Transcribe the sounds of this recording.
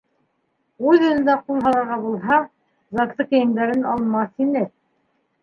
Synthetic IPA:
ulɑ̆nɤ̆nd̪æqulˠɦɑlˠɑɾʁɑbulˠɦɑ | zɑt̪ˠɤkɘ̆jɘ̆nd̪æɾɘnɑlˠmɑθinɘ

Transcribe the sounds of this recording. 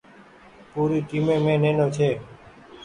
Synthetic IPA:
puːɾiːʈiːmẽːmẽːnẽːnoːt͡ʃʰeː

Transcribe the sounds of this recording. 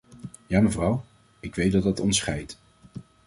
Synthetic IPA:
jaːməvrʌw | ɪkʋejt̚dɑdɑtɔnsχɛjt

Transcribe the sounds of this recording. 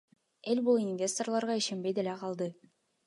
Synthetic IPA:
elbulˠinvʲe̞st̪o̞rlˠɑɾʁɑiʃembejd̪elæqɑlˠd̪ɤ

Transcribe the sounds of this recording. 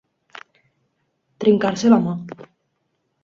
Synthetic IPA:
t̪ɾiŋkaɾselama

